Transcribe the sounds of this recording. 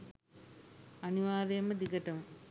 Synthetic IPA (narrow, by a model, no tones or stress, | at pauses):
ɐniʋaːɾɐjɐmɐd̪iɡɐʈɐm